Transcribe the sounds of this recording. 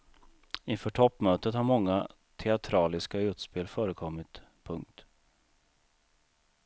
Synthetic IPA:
ɪnfœːʈʰɔpːmøːt̪ət̪haɾmɔŋːa | t̪ʰɛat̪ʰɾɑːlɪskaʉ̟ːt̪speːlfœːɾəkʰɔmːɪt̪pʰɵŋk̚t̪

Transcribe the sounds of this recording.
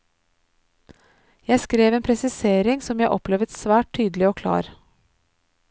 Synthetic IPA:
jæɪskɾeːʋeːnpʰɾɛsɪseːɾɪŋsɔmjæɪʔɔ̰pleːʋət̪sʋæːʈ̚t̪ʰyːd̪lɪoːkʰlɑ̰ːɾ

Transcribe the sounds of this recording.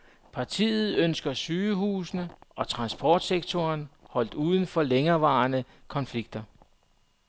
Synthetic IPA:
pʰɑ̈t͡sʰḭːð̞̩ˠønsɡ̥ɐsyːɦuːsnəʔɒ̽t͡sʰʁɑ̈nsb̥ʰɒːd̥seɡ̥t͡sʰoːnhɒ̽l̰d̥uːð̞ˠn̩fɒ̽leŋɐʋɑ̰̈ːnə | kʰɒ̽nfliɡ̥̚d̥ɐ

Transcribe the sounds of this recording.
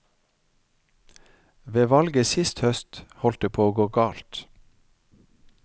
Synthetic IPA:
ʋeːʋɑlɡəsɪst̪hœst̪hɔlt̪̚d̪eːpʰoːoːɡoːɡɑːlt̪

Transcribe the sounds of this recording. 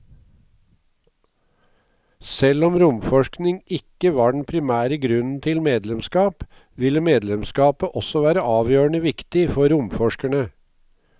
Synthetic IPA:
sɛlɔmɾʊmfɔʃknɪŋɪkəʋɑːɖɳ̩pʰɾɪmæːɾəɡɾʉnn̩t̪ʰɪlmeːd̪lɛmskɑːp | ʋɪlːəmeːd̪lɛmskɑːpəʔɔsɔʋæːɾəʔɑːʋjøːɳəʋɪkt̪ɪfɔɾʊmfɔʂkəɳə

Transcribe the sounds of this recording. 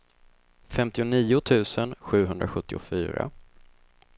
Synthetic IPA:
fɛmt̪ɪʊniːʊt̪ʰʉ̟ːsənɧʉ̟ːɦɵnd̪ɾaɧɵt̪ːɪʊfy̰ːɾa̰

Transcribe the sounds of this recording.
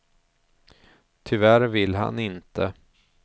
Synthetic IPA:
t̪ʰʏvæɾvɪlɦa̰nɪnt̪ʰə

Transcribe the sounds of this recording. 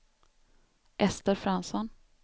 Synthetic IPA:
ʔɛst̪əɾfɾansɔn

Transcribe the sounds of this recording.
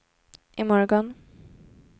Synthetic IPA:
ʔɪmɔɾɡɔn

